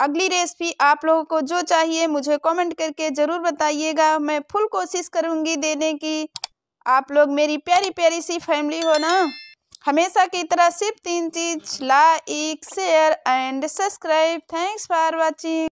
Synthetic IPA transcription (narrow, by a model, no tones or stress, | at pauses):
ɐɡliɾeːsbʱiʔaːploːɡõkod͡ʒot͡ʃaːɦiemʊd͡ʒʱekɔːmẽɳʈ̚kɐɾked͡ʒəɾuːɾbət̪aːieɡamɛ̃pʰʊlkoːʃɪskəɾũːŋɡid̪eːneki | aːploːɡmeːɾipjaːɾipjaːɾisipʰɛːmliɦona | hɐmeːsakeɪt̪ɾasɪb̚t̪iːnt͡ʃiːd͡ʒlaːeːksejəɾɛːɳɖsəbskɾaːɪb̚t̪ʰɛ̃ːŋkspaːɾbat͡ʃiː